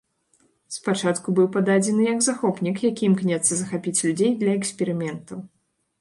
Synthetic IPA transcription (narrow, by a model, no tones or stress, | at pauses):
spat͡ʂat̪kubɨwpad̪ad͡zʲɛnɨjɐɡzaxɔpnʲikjakʲiimknʲɛt̪sɐzɐxapʲit͡sʲlʲud͡zʲejd̪lʲɐɛksʲpʲɛɾɨmʲɛnt̪ɐw